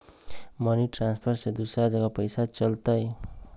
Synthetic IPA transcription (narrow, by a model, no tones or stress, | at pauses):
mʌniʈranspʰʌrsed̪usad͡zʌɡʌpʌjsat͡sʌlt̪ʌj